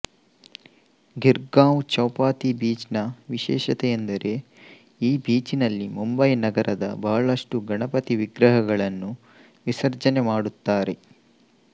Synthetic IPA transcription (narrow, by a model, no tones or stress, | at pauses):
ɡiɾɡaːwt͡ʃɐwpaːt̪ibiːt͡ʃnɐʋiʃɛːʃɐt̪ɛjend̪ɐɾe̞ | iːbiːt͡ʃinɐlːimumbɐjnɐɡɐɾʔɐd̪ɐ̰bɐɦɐɭɐʂʈuɡɐɳɐpɐt̪iʋiɡɾɐɦɐɡɐɭɐnːu | ʋisɐɾd͡ʒɐnemaːɽut̪ːaːɾe̞